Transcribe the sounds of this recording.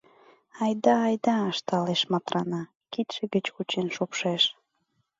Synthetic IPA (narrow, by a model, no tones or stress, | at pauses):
ɑjd̪ɑːjd̪ɑəʃt̪ɑleʃmɑt̪ɾɑnɑ | kit̪ʃĕɡət͡ɕkut͡ɕenʃupʃeʃ